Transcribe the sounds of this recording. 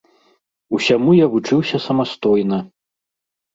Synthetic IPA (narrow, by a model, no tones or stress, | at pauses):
usʲamujavut͡ʂɨwsʲɐsɐmast̪ɔjnɐ